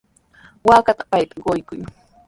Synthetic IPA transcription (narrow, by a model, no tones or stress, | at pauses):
waːkat̪ḁpajt̪ḁɢojkʊj